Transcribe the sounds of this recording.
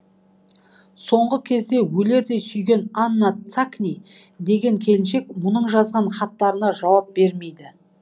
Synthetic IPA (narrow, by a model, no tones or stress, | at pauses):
so̞ɴʁəkʲʰe̞zd̪e̞wɵle̞ɾd̪e̞sʏjɡʲe̞nanːat̪saknʲijd̪e̞ɡʲe̞ŋkʲʰe̞lɪnʃe̞k̚mʊnəɴʒɑzʁɑnχɑt̪ːɑɾənɑʒɑwɑp̚b̥e̞ɾme̞jd̪ɪ